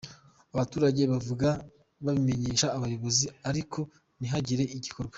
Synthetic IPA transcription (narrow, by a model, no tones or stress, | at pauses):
aβatuːɾaɟe̞βavuɡa | βaβime̞ɲe̞ːʃaːβajo̞βo̞ziaɾikʰo̞ | niɦaɟiɾe̞ʔiɟiko̞ɾɡwe̥